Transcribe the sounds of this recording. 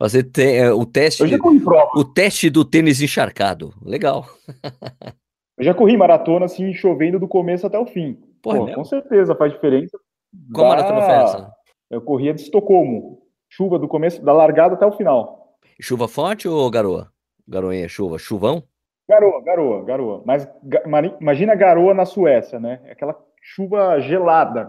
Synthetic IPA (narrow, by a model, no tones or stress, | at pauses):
vo̰set̪ẽj̃ɛʊt̪ɛst͡ʃewʒakohipɾɔʊt̪ɛst͡ʃɪd̪ʊt̪ẽnɪz̬ẽʃaɾka̰d̪ʊ̰leɡaw | ewʒakoɦimaɾat̪õnɐsĩʃovẽd̪ʊd̪ʊkomesʊat̪ɛʊfĩ | pohɐokkõseɾt̪ezɐfazd͡ʒifeɾẽsɐ | ãwmaat̪õnfas | ewkoɦiɐd̪ɪst̪okõmʊ | ʃuvɐd̪ʊkomesʊ̥d̪alaɾɡad̪ɐat̪ɛʊfinaw | ʃuvɐfɔɾt͡ʃɪoɡaɾoɐ̰ | ɡaɾoḭ̃ɐ̰ʃuvɐ̰ʃuvɐ̃w̃ | ɡaɾoɐɡaɾoɐ̰ɡaɾoɐ̰mɐzɡaimaɾĩimaʒĩnɐɡaɾoɐnɐsuɛsɐnɛɛ̰akɛlɐ | ʃuvɐʒelad̪ɐ